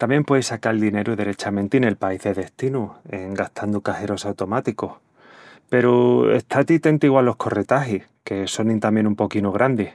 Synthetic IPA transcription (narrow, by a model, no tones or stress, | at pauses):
t̪amjempweisakald̪ine̞ɾuðe̞ɾe̞t͡ʃamẽnt̪ine̞lpaiðe̞ðe̞ht̪inueŋɡaht̪ʰand̪ukahe̞ɾo̞sawt̪o̞mat̪ikoh | pe̞ɾuḛht̪ʰat̪it̪e̞nt̪iɣwalo̞hkʰo̞re̞t̪aɦih | ke̞so̞nĩnt̪amje̞numpo̞kinuɣ̞ɾʔand̪ih